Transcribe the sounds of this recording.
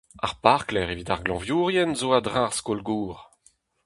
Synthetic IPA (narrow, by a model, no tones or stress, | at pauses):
a̰ʁpaʁklɛʁevit̪aʁɡlɑ̃vjuːʁjɛnzoadʁãʁskolɡuːʁ